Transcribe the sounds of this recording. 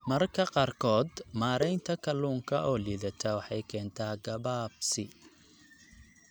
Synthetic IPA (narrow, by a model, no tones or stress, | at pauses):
mɐrkʰɐqɑːrkʰɔːd̪maːɾɛjnt̪ʰɐkʰɐluːŋkʰɐʔɔːliːðɐt̪ʰɐwɑħɑjkʰɛːnt̪ʰaːɡɐβaːb̚sɪ